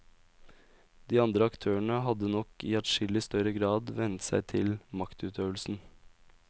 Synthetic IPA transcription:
d̪iːɑnd̪ɾəɑkt̪ʰøːəɳəɦɑd̪ənɔkḭːæʈʃɪlɪst̪œɾəɡɾɑːd̪ʋɛnt̪sæ̰ɪt̪ʰɪlmɑkt̪ʉːt̪ʰøːʋəlsn̩

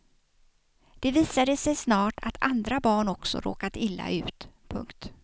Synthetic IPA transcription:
d̪̥ɛviːsad̪əsɛjsnɑːʈʰa̰t̪ʰa̰nd̪ɾabɑːɳɔksɔ̰ɾʔo̰ːkat̪ɪlːa̰ʔʉ̟ːt̪pʰɵ̰ŋkt̪

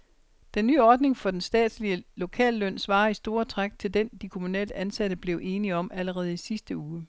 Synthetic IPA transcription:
d̥enːy̰ːɒːd̥ne̝ŋfɒ̽d̥ensd̥ɛ̰ːd̥sliəlo̝kʰɛ̰ːlːøn̰sʋɑ̈ːisd̥o̝ːɐt͡sʰʁaɡ̥̚t͡sʰe̝ld̥end̥ikʰo̝munɛ̰ːld̥əænsæɾ̥əb̥le̝ʊʔe̝ːniɒ̽mʔæləʁɛːð̞̩ˠisisd̥əuː

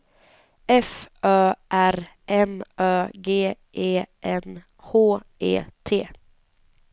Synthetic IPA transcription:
ʔɛfʔœːʔæɾʔɛmʔœːɡeːʔeːʔɛn | hoːʔḛːt̪ʰeː

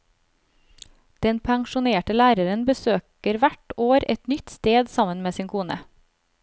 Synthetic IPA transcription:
d̪̥ɛnpʰæŋʃʊneːʈəlæːɾəɾənbəsøːkəɾʋæʈoːɾɛt̪nʏt̪st̪eːd̪sɑmənmeːsiːnkʰuːnə̰

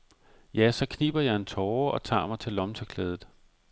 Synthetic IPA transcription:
jæsɒ̽kʰnib̥ɐjɑɪent͡sʰɒːɒ̽t͡sʰɑ̰̈ːmɑ̈ɪt͡sʰe̝lɒ̽mt͡sʰəkʰlɛːð̞ˠð̩ˠ

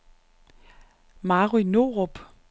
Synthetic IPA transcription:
mɑːʁinoʁob̥

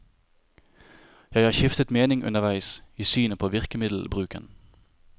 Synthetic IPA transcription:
jæɪhɑːçɪft̪ət̪meːnɪŋʔʉ̰nəʋæɪsiːsyːnəpʰoːʋɪʁkəmɪd̪l̩bʁʉːkə̰n

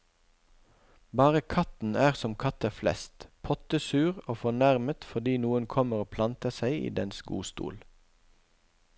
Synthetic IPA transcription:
bɑːʁəkʰɑt̪n̩æːʁsɔmkʰɑt̪æflɛ̰st̪pʰɔt̪əsʉːʁoːfɔnæʁmət̪fɔʁd̪iːnuːənkʰɔməʁoːpʰlɑnt̪əsæɪḭːd̪ɛ̰nsɡṵːst̪ṵːl

